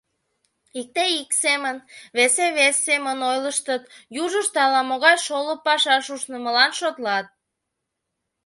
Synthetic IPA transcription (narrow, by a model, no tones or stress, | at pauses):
ik̚t̪eiksemənβeseβesːemənojləʃt̪ət̪juʒəʃt̪ɑlɑmoɣɑjʃoləpɑʃɑʃuʃnə̆məlɑnʃot̪lɑt̪̚